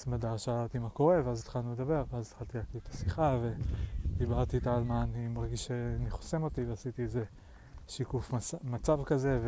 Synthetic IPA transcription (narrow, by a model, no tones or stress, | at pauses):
mad̪aʃealat̪imako̞ʁe̞veazt̪χalnuled̪abe̞ʁveazet̪χalt̪ilakiet̪ʰḁsiχave̞d̪ibaʁt̪iːt̪aalmaːnimaʁɡiʃʃeaniχo̥se̞mo̞t̪iveasit̪ieze̞ | ʃikufmat͡savkaze̞v